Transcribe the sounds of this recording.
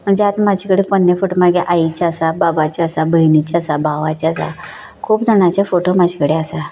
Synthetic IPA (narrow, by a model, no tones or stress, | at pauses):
məd͡ʑat̪mad͡ʑʰikəɽepənːefuʈmaɡeʔait͡ɕasababat͡ɕasabʱəinit͡ɕasabʱaʋat͡ɕasa̰ | kʰuːpd͡zʱəɽ̃at͡ɕafoʈomad͡ʑʰi̥kəɽeasa